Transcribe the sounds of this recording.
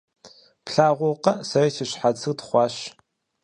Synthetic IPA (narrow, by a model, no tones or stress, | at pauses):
pɬaːʁʷʊqɐsɐrɐʃɪɕħat͡sʰɨtχʷɑːɕ